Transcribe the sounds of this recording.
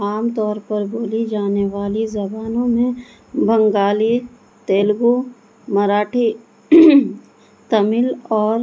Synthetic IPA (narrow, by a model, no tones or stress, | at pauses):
aːmt̪ɔːɾpɐɾboːlid͡ʒaːneʋaːlizɐbaːnõmẽ | bʱɐ̃ŋɡaːli | t̪eːlɡu | mɐɾaːʈʰi | t̪ɐmɪlɔːɾ